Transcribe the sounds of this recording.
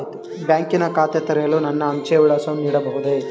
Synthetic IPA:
t̪e | bjaːŋkinɐkaːt̪et̪ɐɾɛjɐlːunɐnːɐːmt͡ʃeʋuɭɐːsɐmniːɽɐbɐɦud̪e

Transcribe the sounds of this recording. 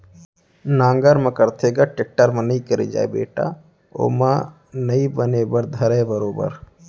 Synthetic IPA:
nãːŋɡəɾmɐ̃kəɾt̪ʰeɡaʈek̚ʈəɾmɐ̃nəĩkəɾḛd͡ʒa̰ːḛbḛːʈa̰ | o̰ːmã | nɐĩbənebəɾd̪ʱɐɾebəɾoːbə̰ɾ

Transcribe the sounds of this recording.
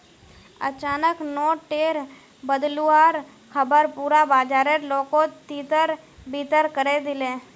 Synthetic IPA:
ə̰t͡ʃaːnəknoːʈeːɾ | bəd̪luaːɾ | kʰəbəɾpuːɾabaːd͡ʒaːɾeɾloːkot̪iːt̪əɾ | biːt̪əɾkəɾed̪ɪlẽː

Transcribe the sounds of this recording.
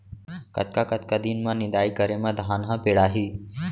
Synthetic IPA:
kɐ̰t̪̚kakət̪kad̪iːnmãnɪd̪aːikəɾemãd̪ʱaːnɦãpeːɽaːɦiː

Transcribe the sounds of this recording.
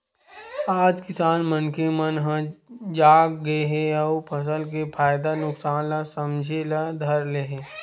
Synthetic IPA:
aːd͡ʒkɪsaːnmənkemənɦãd͡ʒaːɡɡɐeɦɛɔːpʰɐs̬əlk̬epʰaːjd̪anʊksaːnlasɐmd͡ʒʱelad̪ʱɐɾleɦeː

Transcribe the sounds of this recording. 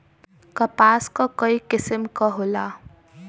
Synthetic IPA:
kɐpaːskɔkɔikɪsəmkɔɦola

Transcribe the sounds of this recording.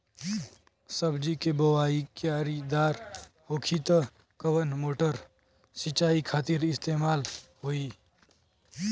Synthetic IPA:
səbd͡ʒikebəwaːikeaːɾid̪aːɾ | hoːkʰit̪ə | kəwənmoːʈəɾ | sɪt͡ʃːaːikʰaːt̪ɪɾɪst̪eːmaːlɦoi

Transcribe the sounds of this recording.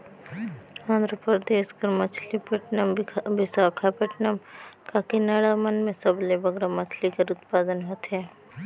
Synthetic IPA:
ãːnd̪ɾəpɾɾəd̪eːskəɾmɐt͡ʃʰlipəʈnəmbɪsaːkʰapɐʈnəmkakinaːɽamənmẽsəblebɐɡɾamɐt͡ʃʰlikəɾʊt̪paːd̪ənɦot̪ɦɛː

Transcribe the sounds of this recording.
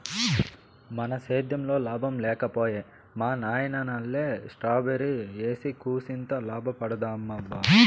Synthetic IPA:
mɐnɐseːd̪jɐmloːlaːbʱɐmlɛːkɐpoːjeː | maːnaːjɐnɐnɐlːeːsʈɾaːbɐɾieːsikuːsint̪ɐlaːbʱɐpɐɽɐd̪aːmːɐbaː

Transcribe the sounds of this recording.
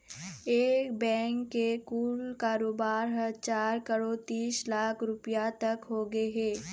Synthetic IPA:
eːkbɛ̃ːŋkːekuːlkaːɾoːbaːɾɦət͡ʃaːɾkəɽot̪iːslaːkʰɾʊpijat̪ɐkɦoːɡəeɦɛː

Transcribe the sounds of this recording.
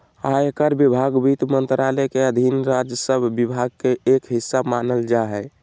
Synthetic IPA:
aekəɾbibʱaɡbit̪mənt̪ɾalɛkeəd̪ʱinɾad͡ʒjəsəbʱːibʱaɡ̚keekɦisːabmanəld͡ʒaɦɛ

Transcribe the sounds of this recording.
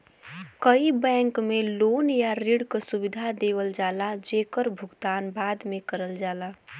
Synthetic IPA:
kəibɛ̃ŋkmeloːnjaɾiɽkəsubid̪ʱad̪ewəld͡ʒaːlad͡ʒekəɾbʱʊɡd̪aːnbaːd̪mekəɾəld͡ʒaːla

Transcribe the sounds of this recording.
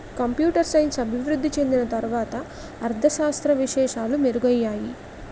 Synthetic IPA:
kɐmpjuːʈɐɾsɐjnsɐbʱiʋɾud̪ʱːit͡ʃe̞nd̪inɐt̪ɐɾuʋaːt̪ɐː | ɾd̪ʱɐʃaːst̪ɾɐʋiʃɛːʂaːlumeɾuɡɐjːaːji

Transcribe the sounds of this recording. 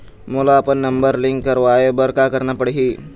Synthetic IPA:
mulaːpənːəmbəɾliŋkːəɾʋajebəɾkakəɾnapəɽɦi

